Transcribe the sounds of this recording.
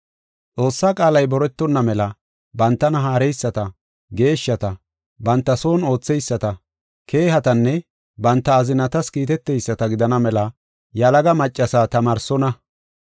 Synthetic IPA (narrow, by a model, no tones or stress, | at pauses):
t͡sʼo̞ːsːaːkʼaːlɐjbɔɾɛt̪ːɔnːɐmɛlɐ | bɐnt̪ːɐnɐɦaːɾɛjsːɐt̪ɐ | ɡe̞ːʃːɐt̪ɐ | bɐnt̪ːɐso̞ːno̞ːt͡sːɛjsːɐt̪ɐ | kʰe̞ːhɐt̪ɐnːɛ | bɐnt̪ːɐːzɪnɐt̪ɐskiːt̪ɛt̪ːɛjsːɐt̪ɐɡɪd̪ɐnɐmɛlɐ | jɐlɐɡɐmɐt͡ʃʼːɐsat̪ɐmɐːɾsɔnɐ